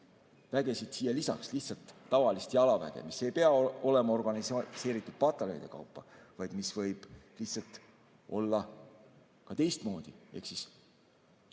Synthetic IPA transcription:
væɡe̞sid̪̥siːjelisɑ̰ksliht̪sɑlt̪ːɑvɑlist̪jɑlɑvæ̰d̪ḛmise̞jpeɑo̞le̞mɑo̞rɡ̥ɑnisse̞ːɾit̪ːˑud̪̥̚pɑt̪ːˑɑlenid̪̥e̞kɑ̰wpːɑvɑjd̪̥misvɤjb̥liht̪sɑlt̪ | o̞lːɑ | kɑt̪e̞jst̪mo̞ːd̪̥ie̞̰hksis

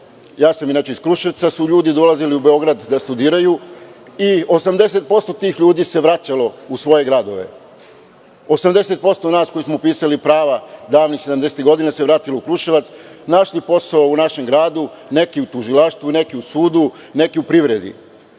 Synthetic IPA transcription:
jaːsaminaːt͡ʃeiskɾuʃiʋt̪sasuʎuːd̪id̪o̞laziliube̞o̞ɡɾad̪d̪ast̪ud̪iːɾaju | io̞samd̪e̞s̬e̞t̪̚po̞st̪o̞t̪iːxʎuːd̪iːse̞ʋɾat͡ɕalo̞usʋo̞je̞ɡɾad̪o̞̰ʋe̞̰ | o̞samd̪e̞se̞t̪̚po̞st̪o̞naːsko̞jismopiːsalipɾaːʋad̪aːʋnixsed̪amd̪e̞set̪ɡo̞d̪inaseʋɾaːt̪iloukɾuʃiʋat̪snaʃlipo̞saounaʃe̞mɡɾaːd̪u | ne̞kiut̪uʒilaʃt̪ʋune̞kiusuːd̪u | ne̞kiupɾiʋɾe̞d̪ḭ

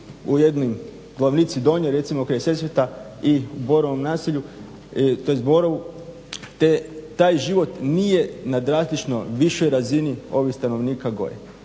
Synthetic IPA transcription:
ujed̪nojm | ɡ̥laʋnit̪sid̪o̞ɲeɾe̞t̪simokɾajse̞sʋjet̪aiubo̞ɾoʋomnaːsiʎu | t̪ojest̪̚bo̞ɾoʋu | t̪et̪aːjʒiʋo̞t̪nijenad̪ɾaːzlit͡ʃno̞̰ʋiʃojɾazinio̞ʋixst̪ano̞ʋniːkaɡo̞̰jḛ

